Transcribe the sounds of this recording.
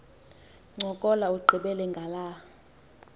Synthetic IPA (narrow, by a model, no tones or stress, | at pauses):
ŋ͡ǀʱɔkʼɔlauɡ͡ǃʱiɓɛlɛŋɡʱala